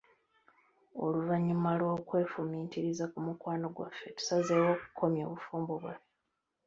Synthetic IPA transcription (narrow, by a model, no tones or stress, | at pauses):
oluvaɲːumalwo̞ːkwe̞ːfumiːtiɾizakumukwaːno̞ɡwa̰fe̞tu̥sazewo̞ːku̥kʰo̞mjo̞ːβufuːmboβwa